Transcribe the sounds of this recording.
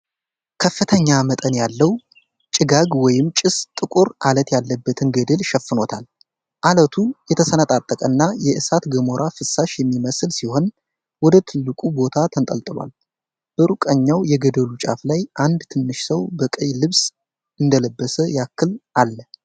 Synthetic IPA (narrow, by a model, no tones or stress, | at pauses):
kʰəfːɨt̪ʰəɲːamət̪ʼənjalːəw | t͡ʃʼɪɡaɡwɔjɪmt͡ʃʼɪst̪ʼɨkʼuɾʔalət̪jalːəbːət̪ʰɨnɡəd̪əlʃɛfɨno̞t̪ʰal | ʔalət̪ʰujɛt̪ʰəsənət̪ʼat̪ʼːəkʼənːajɛʔɨsat̪ɡəmo̞ɾʔafɨsːaʃjɛmːiməsɨlsiho̞n | wɔd̪ət̪ʰɨlːɨkʼubo̞t̪ʰat̪ʰənt̪ʼəlt̪ʼɨlwa̰l | b̥əɾukʼəɲːawjɛɡəd̪əlut͡ʃʼa̰flajʔand̪t̪ʰɨnːɨʃsəwbəkʼəjlɨβs | ɨnd̪ələbːəsəjakʰːɨlʔalːə